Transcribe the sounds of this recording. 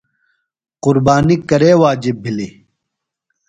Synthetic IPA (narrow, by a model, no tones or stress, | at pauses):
qʊɾbaːnikɐɾeːwaːd͡ʑibʱːili